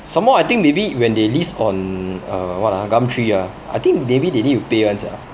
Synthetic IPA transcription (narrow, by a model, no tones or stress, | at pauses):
sãmːɔajt̪ĩŋk̚mebiwɛ̃ndelisɔ̃nəwɔtaɡãmtʰɹija | a̰jt̪ĩŋkmebidenittupewãnsa̰